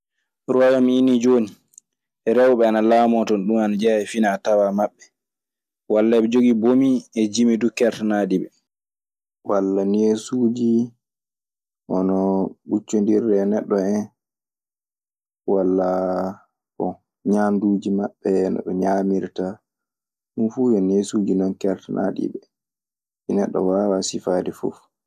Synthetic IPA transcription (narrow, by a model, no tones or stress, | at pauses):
ɾɔjɔmiinid͡ʒoːni | ɛɾɛwɓɛanalamɔtɔnɗumanad͡ʒɛɛfinatawamaɓːɛ | walːaɓɛd͡ʒoɡibomiɛd͡ʒimidukɛɾtanaːdiɓɛ̰ | walːaniesuːd͡ʒi | ʔɔnɔɓut͡ʃːondiɾdɛnɛɗːɔɛn | walːa | kɔ | ɲamdud͡ʒimaɓːɛnɔ̰ɗɔɲamiɾta | ɗunfuːjɔnesud͡ʒinɔnkɛɾtana̰ɗḭbɛ | inɛɗːɔ̰wawasifaːdɛfṵf